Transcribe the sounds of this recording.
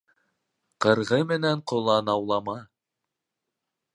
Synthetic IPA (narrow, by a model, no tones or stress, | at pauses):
qɤ̆ɾʁɤmɘ̆næɴqŏlˠɑnɑwlˠɑmɑ